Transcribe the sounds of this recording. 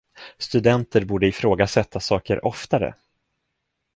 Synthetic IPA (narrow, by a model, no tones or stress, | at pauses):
st̪ɵd̪ɛnt̪əɾbuːɖəɪfɾoːɡasɛt̪ʰːasɑːkəɾʔɔft̪aɾə̰